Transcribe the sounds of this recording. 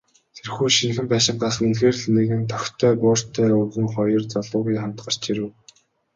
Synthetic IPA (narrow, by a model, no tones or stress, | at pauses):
t̪ʰerxuːʃiŋxɘ̆mpæːʃɪ̆ɴɢasə̆ŋenxeːrɮniːɣɘ̆nt̪ʰœxʲt̪ʰːœːpʊːr̥t̪ʰːœːʊɣɘ̆ŋχɔjɞ̆rt͡sɔɮʊːɣujχam̥t̪ɢə̆r̥t͡ɕiɾɘ̆w